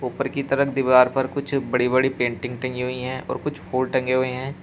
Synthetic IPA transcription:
uːpəɾkit̪ɐɾəkd̪ɪʋaːɾpɐɾkʊt͡ʃʰbɐɽiβɐɽipẽːɳʈɪ̃ŋɡ̚ʈɐ̃ŋɡiɦʊiɦɛ̃ːʔɔ̰ːɾkʊt͡ʃʰfʰuːlʈɐ̃ŋɡeɦʊeɦɛ̃ː

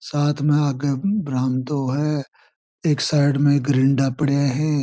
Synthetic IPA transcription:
saːt̪ʰmẽaɡebɾaːmd̪oɦɛ | eːksaːɪɖmẽɡɾɪ̃ɳɖapəɽjaɦɛː

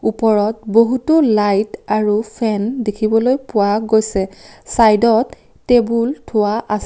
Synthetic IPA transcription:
upɔɹɔt̚boɦutʊlajtaɹupʰɛndekʰibɔlojpʊwaɡojsɛsajdɔtː | ebultʰʊwaʔas

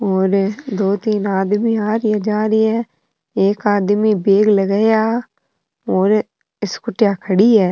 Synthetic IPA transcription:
oːɾd̪oːt̪iːnaːd̪miːaːɾɪjaːd͡ʒaːɾɪːɛː | eːkaːd̪miːbeːɡləɡəjaː | oːɾ | ɪskʊʈjaːkʰəɽiːɛː

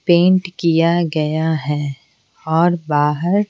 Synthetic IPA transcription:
pẽːɳʈkijaɡɐjaɦɛː | ɔːɾbaːɦəɾ

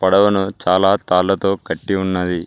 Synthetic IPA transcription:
pɐɽɐʋɐnut͡ʃaːlaːt̪aːlːɐt̪o̞ːkɐʈːiunːɐd̪i

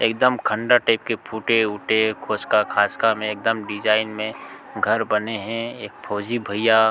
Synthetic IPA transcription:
ḛːk̚d̪əmkʰə̃ɳɖaʈaːɪp̚kepʰuːʈeʊʈekʰoːskakʰaːskamẽeːk̚d̪əmɖɪd͡ʒaːɪnmẽ | ɡʱɐɾbɐneɦɛ̃eːk̚pʰoːd͡ʒibʱɐja

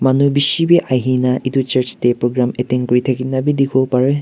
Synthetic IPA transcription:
mɐnubisibeʔajɦinɐʔidut͡ʃɐɾt͡ʃtepɾoɡɾameteŋkujtʰakinɐbidiɡʰopaɾɯ

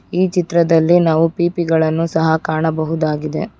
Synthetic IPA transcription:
iːt͡ʃit̪ɾɐd̪ɐlːinaːʋupiːpiɡɐɭɐnːusɐɦɐkaːɳɐbɐɦud̪aːɡid̪e̞̰

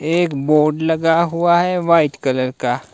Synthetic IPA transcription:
eːkboːɾɖlɐɡaɦuaɦɛʋaːɪʈkɐləɾka

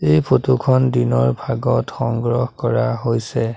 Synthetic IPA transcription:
ejpʰotukʰɔndinɔɹbʱaɡɔtxɔŋɡɹɔhkɔɹaɦojsɛ

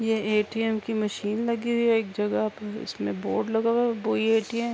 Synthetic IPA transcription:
jeeːʈiɛmkimɐʃiːnlɐɡiwieːk̚d͡ʒɐɡapʊ̰smḛ̃bo̰ːɾɖlɐɡaːaboːieːʈiɛ̃

